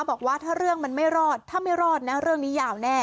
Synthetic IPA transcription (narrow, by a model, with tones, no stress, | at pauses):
bɔː˨˩k̚waː˥˩t̪ʰaː˥˩ɾɯ˥˩əŋma˧nma˥˩jɾɔː˥˩t̪ʰːaː˥˩ma˥˩jɾɔː˥˩t̪̚na˦˥ɾɯ˥˩əŋniː˦˥jaː˨˩wnɛː˥˩